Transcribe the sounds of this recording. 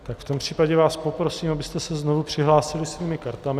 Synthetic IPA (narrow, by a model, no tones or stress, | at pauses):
t̪akft̪o̞mpr̝̥iːpaɟɛvaːspopɾo̞siːmabɪst̪ɛsɛznovupr̥ɪɦlaːsɪlɪsviːmɪkaɾt̪amɪ